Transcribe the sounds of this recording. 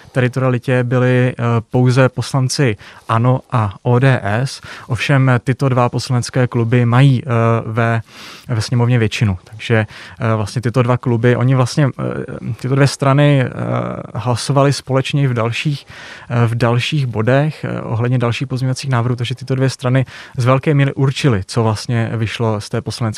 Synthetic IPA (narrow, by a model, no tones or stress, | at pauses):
t̪ɛɾɪt̪oɾɪalɪcɛbɪlɪpo̞wzɛpo̞slant͡sɪʔano̞ʔaʔoːdɛːʔɛsʔo̞fʃɛmt̪ɪt̪o̞dvapo̞slanɛt͡skɛːklubɪmajiːvɛvɛsɲɛmo̞vɲɛvjɛt͡ʃɪnut̪aɡʒ̥ɛvlast̪ɲɛt̪ɪt̪o̞dvaklubɪʔo̞̰ɲɪvlast̪ɲɛt̪ɪt̪o̞dvjɛst̪ɾanɪ | ɦlasovalɪspo̞lɛt͡ʃɲɛɪvdalʃiːxvdalʃiːɣbo̞dɛxʔo̰ɦlɛdɲɛdalʃiːxpo̞zɲovat͡siːxnaːvɾr̩ɦuːt̪aɡʒɛt̪ɪt̪o̞dvjɛst̪ɾanɪzvɛlkɛːmiːɾɪʔuɾt͡ʃɪlɪt͡sovlast̪ɲɛvɪʃlo̞st̪ɛːposlanɛt͡s